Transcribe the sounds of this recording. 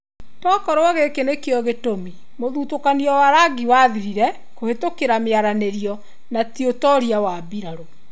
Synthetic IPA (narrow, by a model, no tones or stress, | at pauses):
tɔkɔɾwɔɣekenekeɔɣetomi | moðutokaniɔwaɾaɡiwaðiɾiɾɛ | kohetokeɾameaɾaneɾiɔ | natiotɔɾiawabiɾaɾo